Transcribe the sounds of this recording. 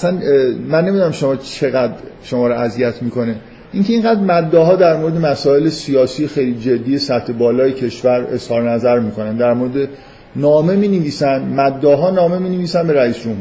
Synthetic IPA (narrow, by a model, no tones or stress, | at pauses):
æsænmænːemid̪unæmʃo̞mɒːt͡ʃʰe̞ɣæd̪ɾʃo̞mɒːɾoʔæzijæt̪ʰmiːko̞ne | ʔiŋcʰeiːŋɢæd̪ɾmæd̪ːɒːɦɒːd̪æɾmoɾe̞d̪emæsɒːe̞lesijɒːsiːjexe̞jliːd͡ʒe̞d̪ːiːjesæt̪ʰːe̞bɒːlɒːjecʰe̞ʃvæɾe̞shɒːɾenæzæɾmiːkʰo̞nænd̪æɾmoɾed̪e | nɒːme̞miːneviːsænmæd̪ːɒːɦɒːnɒːme̞miːneviːsænbe̞ɾæiːsd͡ʒomhu